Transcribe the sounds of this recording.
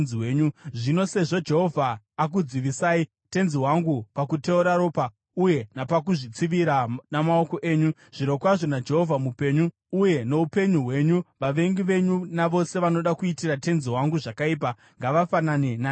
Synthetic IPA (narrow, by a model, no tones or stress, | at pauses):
iweːɲuʐino̞se̞ʐo̞d͡ʒe̞ɦo̞vʱaː | k̬ud͡ziʋisaːi | te̞nziɦwaŋɡupakuteuɾaɾo̞ːpa | uje̞napakuʐit͡siʋiɾanamao̞ko̞ʔe̞ːɲu | ʐ̥iɾo̞kwaʐo̞nad͡ʒe̞ɦo̞vʱamupe̞ɲuː | je̞no̞upe̞ɲuɦwe̞ːɲuʋaʋe̞ŋɡiʋe̞ɲunaʋo̞se̞ʋano̞ɗakuitirate̞nziwaŋɡuʐakaiːp̬a | ŋɡaʋafananenaː